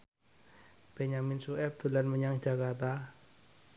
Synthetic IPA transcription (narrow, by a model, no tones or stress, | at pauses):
b̥ɛɲaminsuɛp̚d̪ulanməɲaŋd͡ʒakart̪a